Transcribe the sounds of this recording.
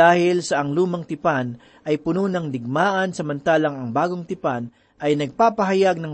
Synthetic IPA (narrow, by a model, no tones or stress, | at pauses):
aːhɪlsɐʔɐŋluːmɐŋt̪ɪpan | ʔɐjpʊnunɐŋd̪ɪɡ̚maːʔɐnsɐmɐnt̪aːlɐŋɐŋbaːɡoŋt̪ɪpan | ʔɐjnɐɡ̚paːpɐɦɐjaɡ̚nɐŋ